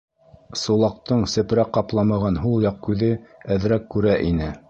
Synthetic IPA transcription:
sulˠɑq̚t̪ɤɴsɘ̆pɾæqːɑplˠɑmɑʁɑnɦulˠjɑq̚kʉðɘæðɾækːʉɾæʔinɘ

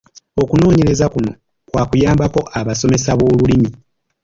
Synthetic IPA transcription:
o̞kuno̞ːɲe̞ɾe̞zakuno̞̰ | kwaːkujaːmbako̞ʔaβaso̞me̞saβo̞ːlulimi

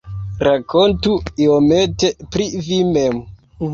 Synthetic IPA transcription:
ɾakʰontuiomete̞pɾivimem

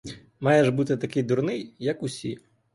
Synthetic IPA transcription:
majɛʐbɨt̪ɨt̪akʲɪjd̪urnɨjjɐkusʲi

